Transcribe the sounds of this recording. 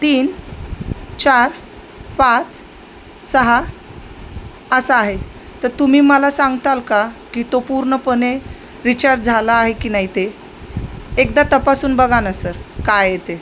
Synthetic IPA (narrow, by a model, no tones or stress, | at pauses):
t̪iːn | t͡ɕaɾ | pat͡s | səɦa | əsaːɦe | t̪əɾt̪um̤iːməlasãŋɡət̪alkakiːt̪opuɾɳəpəne | ɾit͡ɕaɾɖ̪̚d͡zʱalaːɦekiːnaɦit̪e | ek̚d̪at̪əpasuːnbəɡanasəɾkajet̪e